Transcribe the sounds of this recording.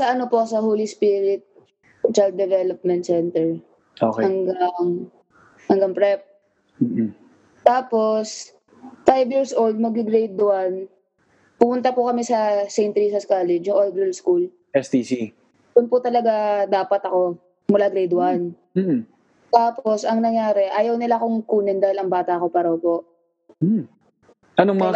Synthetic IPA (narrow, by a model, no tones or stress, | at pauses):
sɐʔɐnopo̞sɐɦoːlispiːɾɪt̪̚ | t͡ʃald̪̚d̪ɛvɛlɐp̚mɛnt̪sɛnt̪ɛɹ | ʔokhɐŋɡaŋ | hɐŋɡaŋpɹɛp̚ | m̩ː | t̪aːpos | fajvjiːɹsʔold̪̚mɐɡɪɡɾejd̪wan | pʊmʊnt̪ɐpʊkɐmɛsɐsejnt̪ɾiːsɐskaːlɛd͡ʒjʊŋʔold̪ɾɛlskul | ʔɛst̪isi | d̪ʊnpʊt̪ɐlɐɡad̪aːpɐt̪ɐko̞ | mʊlaːɡɾejd̪wan | m̩ː | t̪aːposɐŋnɐŋjaːɾɛʔaːjɐwnɪlakoŋkuːnɪnd̪aːhɪlɐŋbaːt̪ɐʔɐko̞paːɾɐopo̞ʔ̩ | ʔɐnomɐ